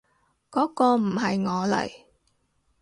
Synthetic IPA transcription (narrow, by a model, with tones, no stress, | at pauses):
kɔː˨˥kɔː˧m̩˨˩ɦɐ˨jŋɔː˨˧lɐ̰˨˩j